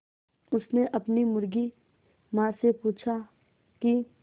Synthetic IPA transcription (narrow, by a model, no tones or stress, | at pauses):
ʊsneʔɐpnimʊɾɡi | mãːsepuːt͡ʃʰa | ki